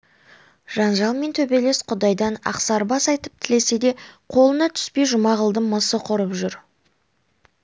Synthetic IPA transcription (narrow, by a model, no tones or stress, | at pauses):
ʒ̥ɑnʒɑlˠme̞nt̪ʰɵbe̞le̞sqʰʊd̪ɑjd̪ɑnɑ̰qsɑɾbɑsɑjt̪əp̚t̪ʰɪle̞se̞d̪e̞qʰo̞lˠənɑt̪ʰʏ̥spe̞jʒʊmɑʁəlˠd̪əməsəqʰʊɾəpʒʏɾ